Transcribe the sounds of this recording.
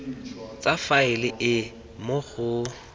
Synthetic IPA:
t͡sʼafaɪlɪʔɪ | moɣʊ

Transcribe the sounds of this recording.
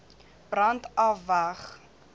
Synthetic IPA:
b̥rɐntɐfvɐχ

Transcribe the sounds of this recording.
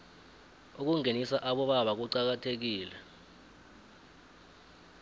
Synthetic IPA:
uk̬uŋenisaʔaɓɔɓaɓak̬uǀak̬atʰek̬iːlɛ

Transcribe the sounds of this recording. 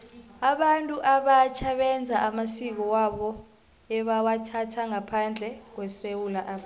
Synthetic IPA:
aɓantʼuʔaɓat͡ʃʰaɓɛnd͡zʱaʔamasik̬ɔwaɓɔ | ɛɓawatʰatʰaŋapʰand͡ɮʱɛk̬wɛsewulaʔafi

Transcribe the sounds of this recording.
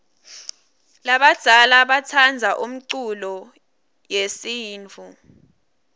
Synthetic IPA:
laɓad̥d̥ʱalaɓatʰand͡zʱaʔum̩ǀulɔ | jesiːnt͡fʰu

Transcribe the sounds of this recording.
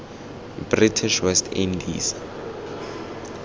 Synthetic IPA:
britʰiʃwɛstʰḭndḭːsḁ

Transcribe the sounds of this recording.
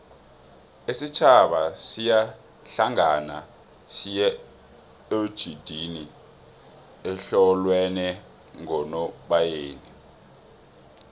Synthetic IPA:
esit͡ʃʰaɓasija | ɬaŋana̰ | sijɛ | od̥ʒ̥ʱid̥ʱini | ɛɬɔlwɛnɛ | ŋɔnɔɓajeːni

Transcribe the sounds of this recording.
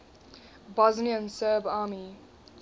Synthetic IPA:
bɔzniə̃nsɜːbaːmi

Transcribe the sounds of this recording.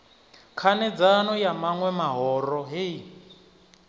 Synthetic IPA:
kʰanɛd͡zanɔjamaŋwɛmaɦɔɾɔɦe

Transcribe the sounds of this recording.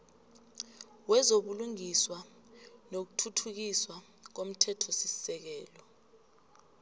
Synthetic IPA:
wɛzoɓuluŋiswa | nok̬utʰutʰuk̬iswa | k̬om̩tʰɛtʰɔsisi̥sɛk̬ɛːlɔ

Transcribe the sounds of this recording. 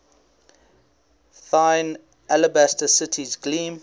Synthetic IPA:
θãɪn | ʔaləbæstəsɪtʰizɡlĩːm

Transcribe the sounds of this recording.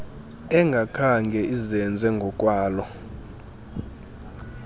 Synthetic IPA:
ɛŋɡʱakʰaŋɡʱɛʔizɛnd͡zʱɛŋɡʱɔkʼwaːlɔ

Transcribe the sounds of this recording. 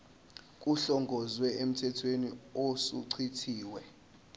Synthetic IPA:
kʼuɬɔŋɡʱɔzwɛem̩tʰɛtʰweniosuǀʰitʰiːwɛ

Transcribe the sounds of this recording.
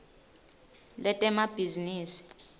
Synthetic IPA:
lɛtʼɛmab̥ʱiziniːsi̥

